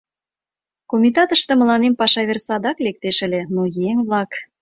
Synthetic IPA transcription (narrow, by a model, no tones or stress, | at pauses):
komʲit̪ɑt̪əʃt̪ə̆mə̆lɑnempɑʃɑβʲersɑd̪ɑklek̚t̪eʃə̆lʲĕnojeŋβlɑk